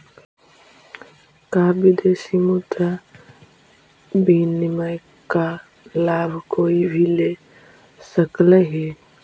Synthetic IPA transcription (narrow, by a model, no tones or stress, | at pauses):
kaːbid̪esimut̪a | biːnimaj | ka | laːbʱkoːibʱile | səkleɦe